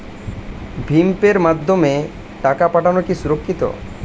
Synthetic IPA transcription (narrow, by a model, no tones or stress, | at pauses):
bʱimpeɾmad̪ʱːome | ʈakapaʈanokisuɾokʰːit̪o̰